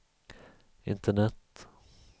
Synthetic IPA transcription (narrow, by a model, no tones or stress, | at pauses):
ɪ̰nt̪ʰəɳɛt̪